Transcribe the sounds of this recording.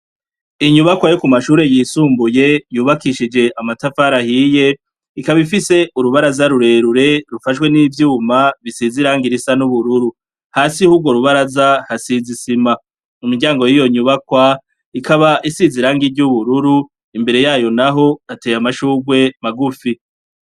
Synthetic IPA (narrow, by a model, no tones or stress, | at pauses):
iɲuβakwajokumaʃuːɾe̞jiːsuːmbuje̞juːβakiʃid͡ʒe̞ʔamatafaɾahiːje̞ | ikaβifise̞uɾuβaɾazaɾuɾe̞ɾuɾe̞ɾufaʃkwe̞niːvjuːmaβisiziɾaːŋɡiɾisanuβuɾuɾu | haːsihuːb̚ɡwo̞ɾuβaɾazahasizisima | umiɡɟaːŋɡo̞jijo̞ɲuβakwa | ikaβaʔisiziɾaːŋɡiɾɟuβuɾuɾu | imbe̞ɾe̞jaːjo̞naɦo̞ate̞jamaʃuːɡwe̞maɡufi